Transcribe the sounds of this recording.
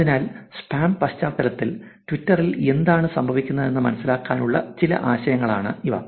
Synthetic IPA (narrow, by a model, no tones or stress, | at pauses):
inaːlspaːmpɐɕt͡ɕaːkːɐɾɐt̪ːil | tʋitːɐrile̞nd̪aːɳɨsɐmbʱɐʋikʲːunːɐðe̞nːɨmɐnɐsːilaːkːaːnuɭːɐ̰t͡ɕilɐ̰ʔaːɕɐjɐŋːɐɭaːɳɨiʋɐ̰